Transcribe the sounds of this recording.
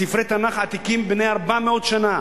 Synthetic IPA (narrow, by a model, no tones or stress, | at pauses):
ifɾet̪anaχat̪ikimbnejaʁbameot̪ʃana